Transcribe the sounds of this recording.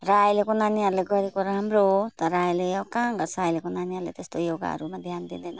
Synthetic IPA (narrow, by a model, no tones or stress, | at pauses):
ɾajlekonanijaleɡʌɾikɔɾaɦamɾot̪aɾajleawkaŋɡasajlekonanijalet̪est̪ojoɡa̰ɾumad̪ʱjand̪ind̪ɛna